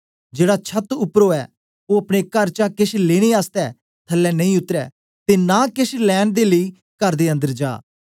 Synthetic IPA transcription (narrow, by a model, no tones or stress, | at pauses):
d͡ʒeːɽat͡ʃʰət̪ʊpːɾoːɛː | oːɐpɽ̃ekəɾt͡ʃakɪʃleːɽ̃eːaːst̪ɛː | t̪ʰəlːɛːnɐĩːʊt̪ɾɛ̰ː | t̪eːnãːkɪʃlɛːnd̪eːləiː | kəɾd̪eːə̃nd̪əɾd͡ʒa̰ː